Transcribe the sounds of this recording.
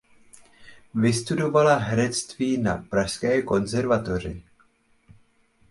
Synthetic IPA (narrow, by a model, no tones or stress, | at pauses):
vɪst̪udo̞valaɦɛɾɛt͡st̪viːna̰pɾaʃskɛːko̞nzɛɾvat̪o̞r̝ɪ